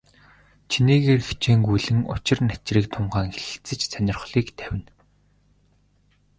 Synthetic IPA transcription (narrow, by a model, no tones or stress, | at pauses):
t͡ɕʰiniːɣeːrxt͡ɕʰeːŋɡujɮɘ̆ŋʊ̰t͡ɕɪ̆rnæt͡ɕriːkt̪ʰʊmɢaːŋxeɘ̥̆xt͡sɘ̆t͡ɕsœnʲɪ̆rχɮiːkt̪ʰæwʲɪ̆n